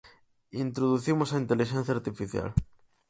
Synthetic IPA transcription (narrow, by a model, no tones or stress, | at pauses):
int̪ɾoðuθimosaint̪eliʃẽn̟θjaɾt̪ifiθja̰l